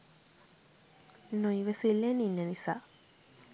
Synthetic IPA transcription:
nuiʋəsilːeninːənisaː

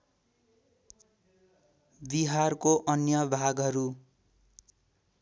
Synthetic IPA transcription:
biɦarkoʔʌnjʌbʱaɡʌɾu

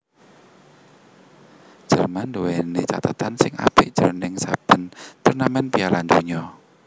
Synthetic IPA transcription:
d̥ʒ̥ərmand̪uwɛnit͡ʃa̰t̪at̪ansɪŋa̰pɪʔd̥ʒ̥ərnɪŋsab̥ə̤nt̪ərnamɛnpialand̪oɲɔ

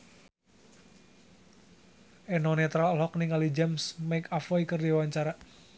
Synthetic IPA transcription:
ʔɛnɔnɛt̪ɾalɔkniŋalid͡ʒɛmsmaikafɔikɨrdiwaɲt͡ʃaɾa

